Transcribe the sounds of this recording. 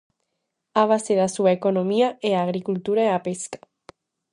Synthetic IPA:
aβ̞aseðasuaekonomiaeaɣ̞ɾikult̪uɾaeapeskḁ

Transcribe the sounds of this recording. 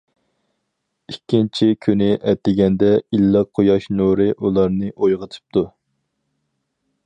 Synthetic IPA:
ikʲʰːint͡ʃʰikʲʰynɪʔɛt̪ːɪɡʲɛnd̪ɛilːɑqʰːojɑʃnuɾɨʔulˠɑɾnɨʔojʁət̪ʰɨ̥p̚t̪ʰu

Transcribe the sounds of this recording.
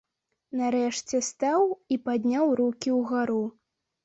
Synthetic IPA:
naɾɛʂt͡sʲɛst̪awipad̪ʲnʲawɾukʲiwɣaɾu

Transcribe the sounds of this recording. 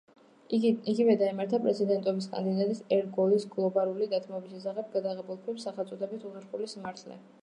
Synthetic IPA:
iɡivɛd̪aimaɾt̪ʰapʼɾɛ̰t̪sʰid̪ɛnt̪ʼɔbiskʼa̰nd̪id̪at̪ʼisɛɾt̪̚ɡɔlisɡlˠɔbaɾulid̪at̪ʰmɔbisɛsaʁɛbɡad̪aʁɛbulˠkʰwɛpsaχɛlˠsʼɔd̪ʰɛbit̪ʰuχɛɾχulismaɾt̪ʰlɛ̰

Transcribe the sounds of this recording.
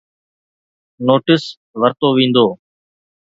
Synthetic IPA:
noːʈɪs | ʋəɾt̪oːʋĩːnd̪oː

